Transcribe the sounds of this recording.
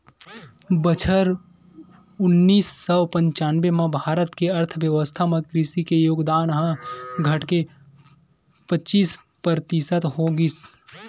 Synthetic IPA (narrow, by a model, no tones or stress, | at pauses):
bət͡ʃʰəɾ | ʊnːiːsːɔpə̃ɲt͡ʃaːnʋemãbʱaːɾət̪keɐɾt̪ʰʋjəʋəst̪ʰamẽkɾisikejoːɡd̪aːnɦãɡʱɐʈke | pətːt͡ʃiːs | pəɾt̪ɪsət̪ɦoɡis